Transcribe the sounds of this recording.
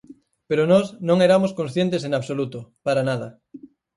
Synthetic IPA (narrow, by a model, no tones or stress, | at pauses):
peɾonɔsnõŋeɾamoskõnsθjent̪eseŋaβsolut̪opaɾanað̞ɐ